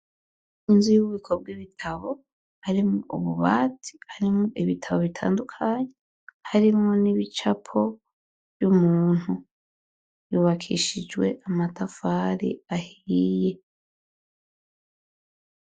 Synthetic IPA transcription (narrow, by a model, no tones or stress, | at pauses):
inzujuβuβikʰob̚ɡiβitʰaβo̞ | haɾimoṵβuβaːtʰi̥haɾimŋoʔiβitʰaβo̞βitʰa̰ːndukʰaɲe | haɾimŋo̞niβit͡ʃapʰo̞ | vjumuːn̥hu | juːβakʰḭʃid͡ʒwe̞̰ʔamatafaːɾḭahiije̞